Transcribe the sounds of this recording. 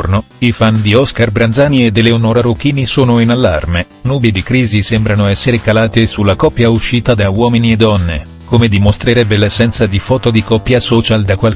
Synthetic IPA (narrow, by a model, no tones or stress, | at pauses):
rno | ifand̪iɔskarbɾand̪zaːnied̪ːeleonoɾaɾok̟iːnisoːnoinalːa̰rme | nuːbid̪ikɾiːzisembɾanoɛsːeɾekalaːt̪esulːakɔpːjauʃːiːt̪ad̪awɔːminied̪ːɔnːḛ | komed̪imost̪ɾeɾɛbːelesːɛnt̪sad̪ifɔːt̪od̪ikɔpːjasɔːt͡ʃald̪akːwal